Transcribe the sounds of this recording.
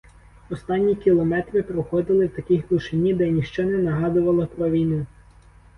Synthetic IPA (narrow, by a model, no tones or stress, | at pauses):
ɔst̪ɑnʲːikʲilˠɔmɛt̪ɾɪpɾɔxɔd̪ɪlˠɪwt̪ɐkʲixɡlˠʊʃɪnʲːid̪ɛnʲiʃt͡ʃɔnɛnɐɦɑd̪ʊʋɐlˠɐpɾɔʋʲijnujʊ